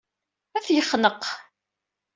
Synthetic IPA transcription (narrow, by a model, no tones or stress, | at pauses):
æθjəχːnəq